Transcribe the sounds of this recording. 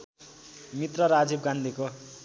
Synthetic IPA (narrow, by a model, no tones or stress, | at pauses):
mit̪rʌɾad͡zib̚ɡand̪ʱiko